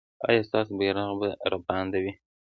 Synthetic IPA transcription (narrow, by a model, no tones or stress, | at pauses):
ɑ̰jɑst̪ɑsbeɾaɣbəɾɑpand̪awi